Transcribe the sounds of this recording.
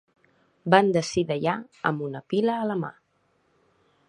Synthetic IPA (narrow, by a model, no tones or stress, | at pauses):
band̪əsiðəʎaə̰mbunəpiləːləma̰